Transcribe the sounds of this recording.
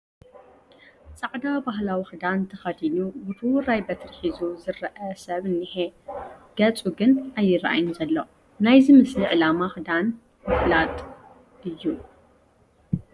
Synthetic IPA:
t͡sʼaʕd̪abaɦlawixɨd̪ant̪ʰɐxɐd̪inubɨt̪ʰɨwʊɾajbɐt̪ʰɐɾħizuzɨɾɐʔɐsɐβɨnːiħeɡ̥ɐt͡sʼuɡɨnajːɨɾʔa̰jnzɐlːo | najzimɨsliʕɨlamaxɨd̪an | mɨflat̪ʼ | ɨjːu

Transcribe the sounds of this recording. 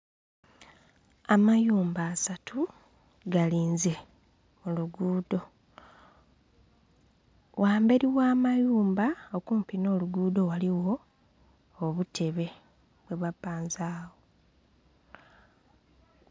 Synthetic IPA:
amajuːmbaːsatʰu | ɡaliːnze̞ | muluɡuːdo̞ | wʔaːmbe̞ɾiwaːmajuːmbaokuːmpino̞ːluɡuːdo̞waliwo̞ː | βutʰe̞βe̞ | βwe̞βapaːnzaːwo̞

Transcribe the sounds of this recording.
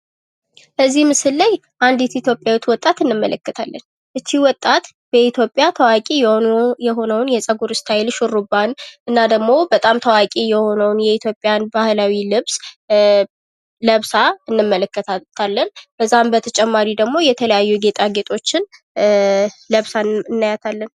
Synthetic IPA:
bəzːihmɨsɨlːaj | ʔand̪ɛt̪it̪ʰjo̞pʼjawɛt̪ːwɔt̪ʼːat̪ɨnːɨmːələkːɨt̪ʰalːən | ʔɨst̪ʰːiwɔt̪ʼːat̪ | b̥əit̪ʰjo̞pʼːjat̪ʰəwakʼijɛɦo̞nəwnjɛsʼəɡuɾɨst̪ʰajlʃurubanʔɨnːad̪əɡmo̞bət̪ʼamt̪ʰəwakʼijɛho̞nəwnjɛit̪ʰjo̞pʼːjanbahlawilɨβs | ləβsaɨnːɨmːələkːət̪t̪ʰalːənb̥əzːambət̪ʰət͡ʃʼɛmːaɾid̪əɡmo̞jɛt̪ʰələjajːuɡe̞t̪ʼaɡe̞t̪ʼo̞t͡ʃːɪn | ləβsaɨnːajat̪ʰalːən

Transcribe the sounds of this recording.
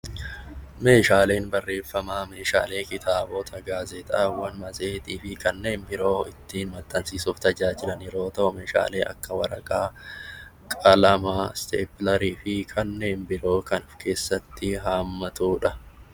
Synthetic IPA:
me̞ːʃaːle̞ːnbɐrːe̞ːfːɐmaːme̞ːʃa̰ːle̞ːkɪt̪ʰaːboːt̪ʰɐɡaːzɛt̪ɐ̰ːwɐnmɐzeːt̪iːfɪkɐnːe̞ːnbɪɾo̞ːɪt̪ːiːnmɐt̪ʼːɐnsiːsuːft̪ɐd͡ʒaːd͡ʒɪlɐnɪɾo̞ːt̪ɐʔʊmeːʃa̰ːle̞ːʔɐ̰kːɐwɐɾɐ̰kʼaː | kʼɐlɐmast̪ḛːplɐɾiːfɪkʰɐnːe̞ːnbɪɾo̞ːkɐnʊfkʰe̞ːsːɐt̪ːɪɦaːmːɐt̪uːᶑɐ

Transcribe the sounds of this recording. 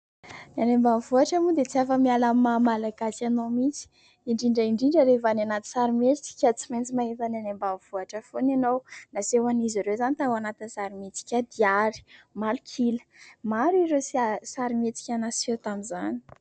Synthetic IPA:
nianembamvuaʈ͡ʂamud̪et͡siafəmialamːamalaɡasanomit͡si̥ | iɳɖ͡ʐiɳɖ͡ʐəiɳɖ͡ʐiɳɖ͡ʐəɾevananat̪i̥saɾimet͡si̥kʲət͡siment͡simaɦet̪ananembanv̥uaʈ͡ʂəfonanownasewaniziɾewzanit̪awanat̪insaɾimit͡si̥kʲad̪iaɾi̥malukʰilə̥maɾiɾesiasaɾimet͡si̥kʲanaset̪amizani̥

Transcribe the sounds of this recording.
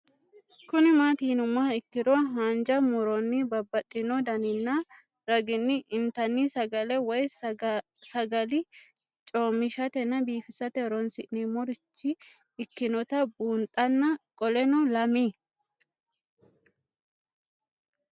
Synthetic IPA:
kʊnɪmaːt̪iːnʊmɐɪkːɪd̪ɔɦaːnd͡ʒɐmʊɾɔnːɪbɐbːɐt̪ʼːɪnɔd̪ɐnɪnːɐ | ɾɐɡɪnːɪʔɪnt̪ɐnːɪsɐɡɐlɛwɔj | sɐɡɐlɪ | t͡ʃʼoːmɪʃɐt̪ɛnːɐbiːfɪsɐt̪ɛɾɔnsɪʔnɪmɔɾɪt͡ʃːɪː | kːɪnɔt̪ɐbuːnt̪ʼɐnːɐkʼɔlɛnɔlɐmi

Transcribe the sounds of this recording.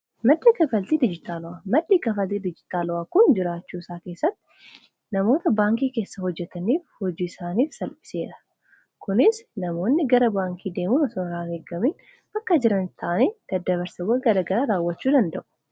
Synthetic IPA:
mɐd̪ːiːkɐfɐlt̪iːd̪ɪd͡ʒɪt̪aːlʊaːmɐd̪ːiːkɐfɐlt̪iːd̪ɪd͡ʒɪt̪aːlʊwaːkʊnd͡ʒɪɾaːt͡ʃːuːɪsaːke̞ːsːɐt̪ːɪ̥ | nɐmo̞ːt̪ɐbaːŋkiːke̞ːsːɐhɔd͡ʒːɛt̪ɐniːfhɔd͡ʒiːɪsaːniːfsɐlpɪ̥se̞ːᶑɐ̥ | kʊnɪsnɐmo̞ːnːɪɡɐɾɐbaːŋkʰiːd̪e̞ːmuːnɐsɔnɾaːɡeːɡɐmiːn | bɐkːɐd͡ʒɪɾɐnɪt̪ʰːɐʔɐneːd̪̥ɐd̪ːɐβɐɾsɐwɐɡɐɾɐɡɐɾaːɾaːwːɐt͡ʃːuːd̪ɐnd̪ɐʔʊ̥

